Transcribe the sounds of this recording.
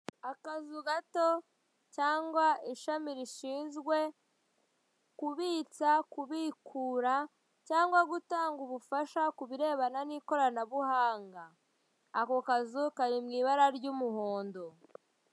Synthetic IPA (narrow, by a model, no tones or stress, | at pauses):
akazuɡato̞ | caːŋɡwaiʃamiɾiʃiːnzɡwe̞ | kuβiːt͡sakuβiːkʰuːɾa | caːŋɡwaɡutaːŋɡuβufaʃakuβiɾe̞ːβananiːko̞ɾanaβuhaːŋɡaː | ko̞kazukaɾimŋiːβaɾaɾɟuːmuhoːndo̞